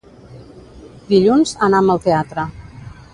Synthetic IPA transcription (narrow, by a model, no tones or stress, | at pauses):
d̪iʎunzənaəməlˠt̪eat̪ɾə